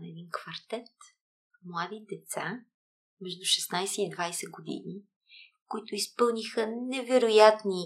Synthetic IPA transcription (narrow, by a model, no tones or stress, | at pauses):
ɛd̪inkvɐɾt̪ɛt̪ | mlˠad̪id̪ɛt̪sa | mɛʒd̪uʃɛsnajsɛid̪vajsɛɡod̪ḭni | koit̪ʊispɤlˠnixənɛvɛɾojat̪ni